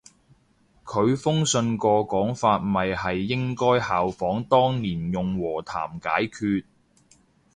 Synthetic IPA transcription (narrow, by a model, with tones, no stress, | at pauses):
kʰɵ˨˧ɥfʊ˥ŋsɵ˧nkɔː˧kɔː˨˥ŋfaː˧t̚mɐ˨jhɐ˨jːɪ˥ŋkɔː˥jhaː˨wfɔː˨˥ŋt̪ɔː˥ŋniː˨˩njʊ˨ŋwɔː˨˩t̪ʰa̰ː˨˩mka̰ː˨˥jkʰyː˧t̚